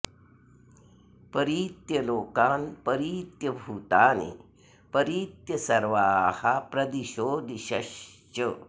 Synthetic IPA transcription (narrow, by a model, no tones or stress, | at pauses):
pɐɾiːt̪jɐloːkaːnpɐɾiːt̪jɐbʱuːt̪aːnḭ | pɐɾiːt̪jɐsɐɾʋaːhapɾɐd̪iʃoːd̪iɕɐʃt͡ʃə